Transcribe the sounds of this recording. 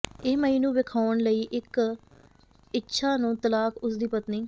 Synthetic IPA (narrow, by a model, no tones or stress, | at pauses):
ɪːməiːnũːʋɪkʰaːʊɳləiːʔɪk | ɪtːʃʰaːnũːt̪əlaːkʊsd̪iːpət̪niː